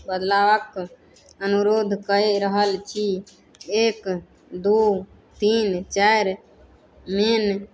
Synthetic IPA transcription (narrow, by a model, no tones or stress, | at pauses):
bəd̪laʋək | ənuɾod̪ʱkəeɾəɦəlt͡ʃʰi | ek | d̪u | t̪int͡ʃajɾ | men